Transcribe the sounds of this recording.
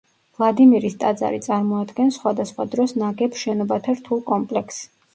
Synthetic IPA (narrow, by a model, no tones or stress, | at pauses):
vlˠad̪imiɾist̪ʼad̪za̰ɾit̪sʼaɾmɔad̪ɡɛnsχwad̪asχwad̪ɾɔsnaɡɛpʃɛnɔbat̪ʰaɾt̪ʰulˠkʼɔmpʼlɛks